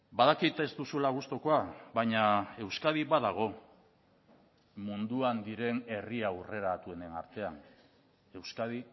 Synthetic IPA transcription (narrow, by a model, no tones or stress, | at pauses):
baðakit̪ezt̪usulaɣ̞ust̪o̞ko̞aβajɲae̞wskað̞iβaðaɣ̞o̞ | mund̪uand̪iɾe̞ne̞riaure̞ɾat̪ue̞ne̞na̰ɾt̪e̞an | e̞wskað̞i